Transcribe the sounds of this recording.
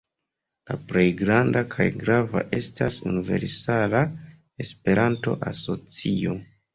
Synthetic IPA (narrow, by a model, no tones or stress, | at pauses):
laple̞jɡɾandakʰajɡɾava̰ʔe̞stasunive̞̰ɾsala | e̞spe̞ɾanto̞̰ʔaso̞t͡sio